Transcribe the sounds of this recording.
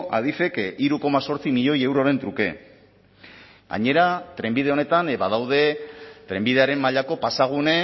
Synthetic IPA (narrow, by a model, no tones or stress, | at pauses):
ʔa̰ðife̞kiɾuko̞maso̞ɾt͡simiʎo̞je̞wɾo̞ɾe̞nt̪ɾuke̞ | ɣa̰ɲe̞ɾat̪ɾe̞mbið̞e̞o̞ne̞t̪anβaðawð̞e̞t̪ɾe̞mbiðe̞aɾe̞mːaʎako̞pasaɣ̞une̞